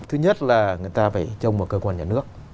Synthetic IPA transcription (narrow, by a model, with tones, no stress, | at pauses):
t̪ʰɨ˧ɲə˦˥t̚laː˨˩ŋɨ˨˩əjt̪aː˧faː˧˩jt͡ɕə˧wŋ͡mmo˨˩t̚kəː˧kwaː˧nɲaː˧˩nɨ˦˥ək̚